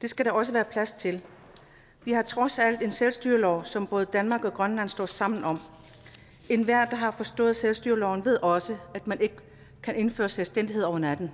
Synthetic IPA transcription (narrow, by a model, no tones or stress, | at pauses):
d̥e̝sɡ̥æɾɑ̈ɒ̽s̬əʋæːɐpʰlæst͡sʰe̝l | ʋihɑ̈t͡sʰʁɒ̽sæl̰d̥e̝nselsd̥yːɐlɒʊ̰sɒ̽mb̥ɔ̽ːð̞̩ˠd̥ænmɑ̈ːɡ̥ɒ̽ɡ̥ʁɶnlæn̰sd̥ɒ̰ːsɑ̈m̰n̩ɒ̽m̰ | e̝nʋæɐ̰d̥ɑ̈ɦɑ̈fɒ̽sd̥ɔ̰̽ːð̞̩ˠselsd̥yɐlɒʊnʋe̝ð̞̰ˠʔɒ̽səæd̥mænʔe̝ɡ̥ə | kʰæne̝nfø̰ːɐselsd̥en̰d̥ie̝ð̞̰ˠɒʊɐnæd̥n̩